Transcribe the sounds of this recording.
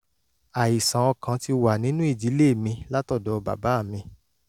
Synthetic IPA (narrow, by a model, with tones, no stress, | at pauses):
a˨i˨sã˨ɔ˧kã˨˦ti˧wa˨nĩ˨˦nũ˦i˦˨d͡ʒi˨˦le˦˨mĩ˧la˦tɔ˦˨dɔ˨ba̰˨ba˨˦a˦˨mĩ˧